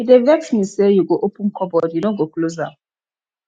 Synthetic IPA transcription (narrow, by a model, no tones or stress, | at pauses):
idevɛksmisejuɡoʔopũnkɔbɔdinoɡokloza